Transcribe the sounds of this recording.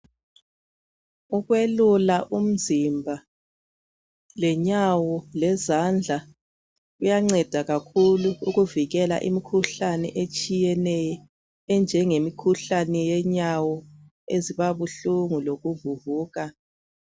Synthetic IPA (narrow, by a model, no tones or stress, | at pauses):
uɣwelulaʔum̩zimbʱa | lɛɲawɔlɛzand͡ɮʱa | ujaŋ͡ǀɛd̥ʱaɣakʰuluuɣuviɣɛla̰ʔḭmikʰuɬanɛ̰ʔet͡ʃʼijɛnɛjɔ | ɛnd͡ʒʱɛŋemikʰuɬanɛjɛɲawɔ | eziβaβuɬuŋuloɣuvuvuːɣa